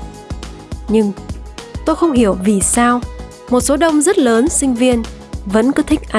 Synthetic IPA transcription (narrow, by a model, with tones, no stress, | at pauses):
ɲɨ˧ŋt̪o˧jxə˧wŋ͡mhi˧˩əwvi˨˩saː˧w | mo˨˩t̚so˨˦ɗə˧wŋ͡mzə˦˥t̚ləː˨˦nsï˧ŋ̟vi˧ən | və̰˧˥nkɔ˨˦t̪ʰï˨˦˥k̟̚ʔa˨˦